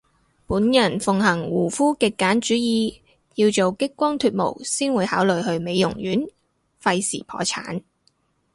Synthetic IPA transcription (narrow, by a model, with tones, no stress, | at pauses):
puː˨˥njɐ˨˩nfʊ˨ŋɦɐ˨˩ŋwuː˨˩fuː˥kɪ˨kːaː˨˥nt͡ʃyː˨˥jiː˧ | jiː˧wt͡so˨wkɪ˥kːʷɔː˥ŋt̪ʰyː˧t̚mo̰˨˩wsiː˥nwuː˨˧jhaː˨˥wlɵ˨ɥɦɵ˧ɥme˨˧jjʊ˨˩ŋjyː˨˥n | fɐ˧jsḭː˨˩pʰɔ̰ː˨˥t͡sʰa̰ː˨˥n